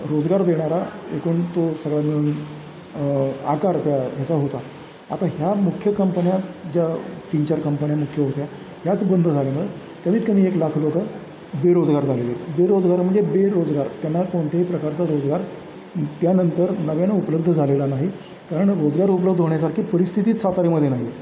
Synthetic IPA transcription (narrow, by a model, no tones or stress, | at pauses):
ɾod͡zɡaɾd̪eɽ̃aɾaḛkuːɳt̪osəɡɭjamiɭuːn | akaɾt̪jat̪jat͡saɦot̪a | a̰t̪aɦjamukʰːjəkəmpənjat̪d͡ʑjat̪iːnt͡ɕaɾkəmpənjamukʰjəɦot̪ja | ɦjat͡sbənd̪ʱəd͡zʱaljaməe | k̪əm̤iːt̪kəmiːeklakʰlokə | beɾod͡zɡaɾd͡zʱalelebeɾod͡zɡaɾməɳd͡zebeɾod͡zɡaɾt̪janːakoɳʈ̪ʰjaɦipɾəkaɾt͡saɾod͡zɡaɾ | t̪janənt̪əɾnəʋjanaupləb̚d̪ʱəd͡zʱalelanaɦi | kaɾəɳɾod͡zɡaɾupələbd̪ʱɦoɳjas̬aɾkʰiːpəɾist̪ʰit̪iːt̪sat̪aɾiməd̪ʱjenaɦi